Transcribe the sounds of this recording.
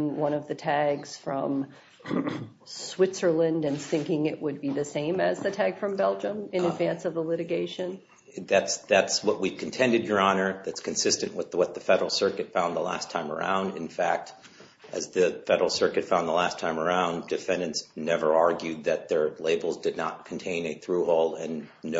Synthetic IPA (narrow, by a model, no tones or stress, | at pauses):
ŋwʌ̃ɾ̃ʌvðɨtʰæɡz̥fɹʌ̃m | swɪtsə˞lɨ̃ndɨ̃nθɪ̃ŋkɪ̃ŋɪʔ̚wəd̚biðɨsẽɪ̃mɨzðɨtʰæɡ̥fɹʌ̃mbɛlˠd͡ʒə̃mɨ̃nɨdvæ̃nsʌvəlɪɾɨɡeɪʃɨ̃n | ðætsðætswʌʔ̚wi̥kʰn̩tʰɛ̃ndɨd͡ʒə˞ɑnə˞ðætskʰɨ̃n̩sɪstɨ̃nʔwəðwʌt̪̚ðɨfɛɾə˞l̩ˠsɜ˞kɨtfãʊ̃nðə̰læ̰stʰãɪ̃mə̰˞ã̰ʊ̃ndɨ̰̃nfæk̚t | ʔɨzðɨfɛɾə˞l̩ˠsɜ˞kɨtfãʊ̃nðəlæstʰãɪ̃mə˞ãʊ̃ndɨfɛ̃ndɨ̃ntsnɛvə˞ɑɹɡjʉd̪̚ðɨt̪̚ðə˞leɪbl̩ˠzdɨdⁿnət̚kʰn̩tʰẽɪ̃nɨθɹuhoʊlˠdɨ̃nː